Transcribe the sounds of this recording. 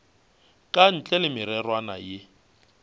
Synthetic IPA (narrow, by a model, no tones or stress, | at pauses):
kʼan̩t͡ɬʼɛlɪmɪɾɛrwana̰jɪ